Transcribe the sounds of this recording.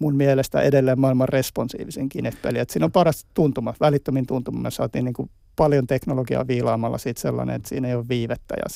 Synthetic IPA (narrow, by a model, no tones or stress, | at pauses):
munmielest̪æ̰ʔedelːeːmmɑilmɑrresponsḭːʋiseŋkinet̪pḛliæt̪siːnompɑrɑst̪t̪unt̪umɑʋælit̪ːømint̪unt̪umɑmesɑ̰ːt̪iːniːŋku | pɑljont̪eknoloɡiɑ̰ːʋiːlɑːmɑlːɑ̰siːt̪selːɑ̰nḛet̪sḭːneijoːʋʋiːʋet̪ːæ̰jɑ̰